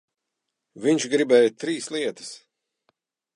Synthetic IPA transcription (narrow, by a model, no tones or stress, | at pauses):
viɲt͡ʃɡɾibɛːjt̪ɾiːslˠiɛt̪ə̥s